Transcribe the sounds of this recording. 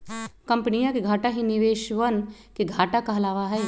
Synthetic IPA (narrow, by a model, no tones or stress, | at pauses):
kɐ̃mpənijãkeɡʱaːʈaɦinɪʋeːʃʋənkeɡʱaːʈakɐɦlaːʋaɦɛː